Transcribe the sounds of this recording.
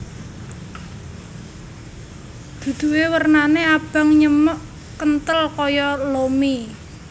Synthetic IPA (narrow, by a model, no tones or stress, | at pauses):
d̪̥ṳd̪̥ṳwewərnaneab̥a̤ŋɲəməʔ | kənt̪əlkɔjɔlomi